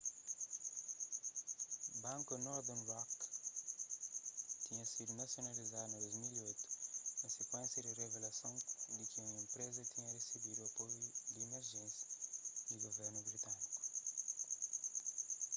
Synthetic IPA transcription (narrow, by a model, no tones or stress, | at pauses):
bãŋkunɔɾd̪onwɔk | t̪iɲɐsid̪unɐsjonɐlizad̪nɐd̪ojzmiliojt̪u̥nɐsekwẽnsjɐd̪ɪrevelɐsɐ̃w̃d̪ɪkɪumɐẽmpɾezɐt̪ʰiɲɐresibid̪uɐpojud̪iːmeɾʒẽnsjɐd̪iɡoveɾnubɾit̪aniku̥